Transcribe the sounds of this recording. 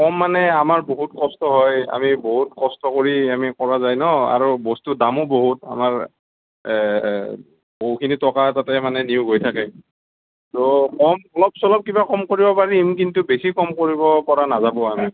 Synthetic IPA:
kɔmːanɛamaɹboɦutkɔstɔɦɔja̰miboɦutkɔstɔkoɹiamikɔɹazajnɔa̰ɹubɔstudamɔboɦuta̰maɹ | boɦukʰinitɔkatatɛmanɛniʊɡojtʰakɛ | tɔkɔmɔlɔb̚sɔlɔp̚kibakɔmkoɹibɔpaɹimkintubesikɔmkoɹibɔkɔɹanazabɔami

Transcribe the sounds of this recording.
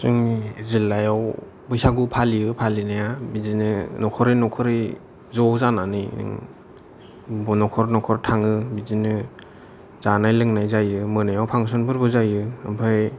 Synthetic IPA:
sɯŋiezilːajaw | bɯjsaɡupʰaliɯpʰalinajabizinɯnɔkʰɔɾinɔkʰɔɾi | zɔzananijnɯ̰ŋ | bɔnɔkʰɔɾnɔkʰɔɾtʰaŋɯbizinɯ | z̥anajlɯŋnajzajɯmɯnajawpʰaŋsɔnpʰɯɾbɯzajɯampʰaj

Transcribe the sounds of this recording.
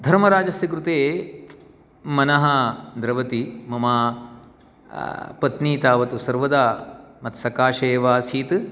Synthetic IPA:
d̪ʱɐɾmɐɾaːd͡ʒɐsjɐkɾut̪eːt | mɐnɐɦɐd̪ɾɐʋɐt̪imɐmaː | pɐt̪niːt̪aːʋɐt̪usɐɾʋɐd̪aːmɐt̪sɐkaːʃeːʋaːsiːt̪

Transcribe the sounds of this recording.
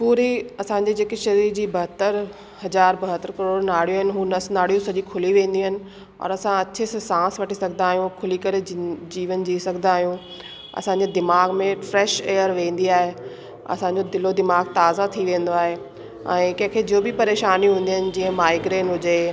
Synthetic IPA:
puːɾiɐsãɲd͡ʑid͡ʑeːkeʃɐɾiːɾd͡ʑiːbɐɦət̪əɾ | hɐzaːɾbɐɦət̪əɾkɐɾoːɽnaːɽ̤ijoɦɪnɪ̆ɦũːnɐsnaːɽ̤ijõsɐd͡ʑikʰʊliʋẽːn̆d̪iɦənɪ̆ | ɔ̰ːɾɐsãɐt͡ɕʰessãːsʋɐʈisɐɡʱnaːɦijũkʰʊlikɐɾed͡ʑiːʋənd͡ʑiːsɐɡʱnaːɦijũ | ɐ̰sãːɲ̆d͡ʑed̪ɪmaːɡmẽfɾɛːʃeːjəɾʋẽːn̆d̪iaːɦe | ɐ̰sãːɲd͡ʑod̪ɪlod̪ɪmaːɡt̪aːzat̪ʰiʋẽːn̆d̪oaːɦe | ɛ̃ːkɐ̃ɦɪ̃kʰeːd͡ʑioːbɪpɐɾeːʃaːniɦũːn̆d̪iɦənɪ̆d͡ʑĩːə̃maːɪɡɾeːnɦʊd͡ʑeː

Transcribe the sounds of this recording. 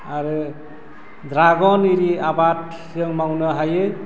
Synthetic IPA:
aɾɯ | dɾaɡɔniɾiabat̚ | ɯŋmawnɯɦajɯ

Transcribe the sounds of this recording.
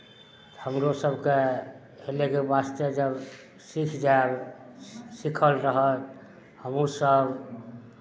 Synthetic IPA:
t̪həmɾosəbʱke | helekebast̪əd͡ʒəb | sikʰd͡ʒaeb | sikʰəlɾəɦət̪ | həmusəb

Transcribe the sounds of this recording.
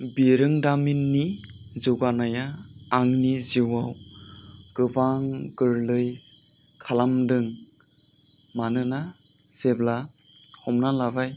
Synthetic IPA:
biɾɯŋdaminːi | zɯɡanajaː | ŋniziwaw | ɡ̥ɯbaŋɡɯɾlɯj | kʰalamdɯŋ | manɯna | z̥ebla | hɔmnalabaj

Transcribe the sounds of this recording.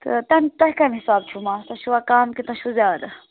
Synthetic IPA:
t̪ɨ̰t̪ɐnt̪ɐhkɐmhisaːbt͡ʃʰumaːsɐʃʰuakaːmkit̪ɐ̃ʃʰuzaːd̪ɐ

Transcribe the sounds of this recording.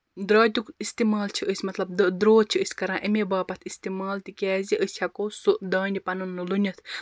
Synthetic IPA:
d̪ɾɐːt̪ʲukist̪imaːlt͡ʃʰiʔəsʲmɐt̪lɐb̚d̪d̪ɾoːt͡ʃʰiɨsʲkɐɾãːʔimebaːpɐt̪ʰist̪imaːlt̪ikʲɛːziʔɨsʲhɐkoːsuʔd̪ɐːnʲipɐnunːɨlunʲɐt̪ʰ

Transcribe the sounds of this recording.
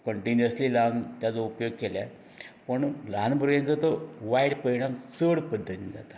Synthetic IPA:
kəɳʈinjəslilant̪jat͡soupjoɡ̚kelja | pəɳləãnbʱəɾɡant͡sat̪əʋaiɽpəiɽãmsəɽpəd̪ʱːət̪ind͡za̰t̪ḁ

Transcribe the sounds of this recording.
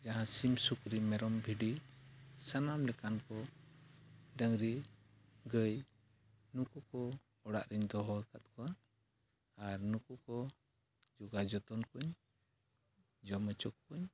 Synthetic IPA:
d͡ʒaɦãsimsukɾimɛɾɔmbʱiɖi | sanamlɛkankɔ | ɖəŋɾi | ɡəj | nukukɔ | ɔɽa̰ʔɾɛɲd̪ɔɦɔkat̪̚kɔwaː | ɾnukukɔ | d͡ʒuɡad͡ʒɔt̪ɔnkuɲ | d͡ʒɔmət͡ʃɔk̚kuɲ

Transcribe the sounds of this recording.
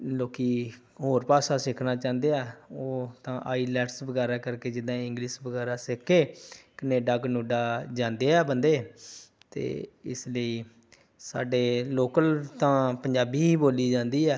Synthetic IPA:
loːkiː | ɦoːɾpaːsaːsɪkʰnaːt͡ʃãːnd̪eːaːoːt̪ãːʔaːiːlɛːʈsbəɡɛːɾaːkəɾkeːd͡ʒɪd̪ãːɪ̃ŋɡliːʃbəɡɛːɾaːsɪkʰːeːkəneːɖaːkənuːɖaːd͡ʒãːnd̪eːɛːbənd̪eː | t̪ḛːɪsləiː | sa̰ːɖeːloːkəlt̪ãːpəɲd͡ʒaːbiːboːliːd͡ʒãːnd̪iːɛː

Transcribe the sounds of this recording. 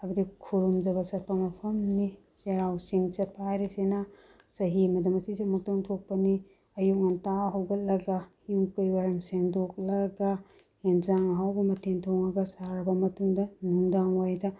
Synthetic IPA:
ɐbudikʰuɾumd͡ʒɐbɐsɐt̚pɐmɐpʰɐmni | seɾawsiŋsɐt̚pʰaɾesenɐ | sɐɦimɐdɐmɐsisumɐk̚toŋtʰok̚pɐni | ɐjuk̚nɐntaɦɐwɡɐt̚lɐɡahiukɯjwaɾɐmseŋdok̚lɐɡɐ | henzaŋɦawbɐmɐtʰentʰoŋɐɡɐsaɾɐbɐmɐtuŋdɐnuŋdaŋwajdɐ

